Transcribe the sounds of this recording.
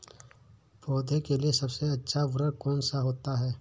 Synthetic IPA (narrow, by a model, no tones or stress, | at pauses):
pɔːd̪ʱekeliesɐbseɐtːʃʰaʋɾəɽkɔːnsaɦoːt̪aɦɛː